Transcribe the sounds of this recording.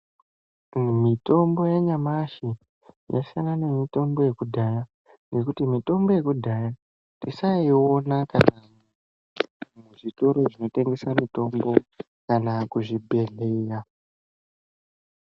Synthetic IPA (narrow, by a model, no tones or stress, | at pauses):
mito̞mbo̞jaɲamaʃi | ja̰sianane̞mito̞mbo̞je̞kudʱaja | ŋɡe̞kutimito̞mbo̞je̞kudʱaja | tisaio̞nakana | muʐito̞ɾo̞ʐino̞te̞ŋɡe̞samito̞mbo̞ | kanakuʐibʱe̞ɮeja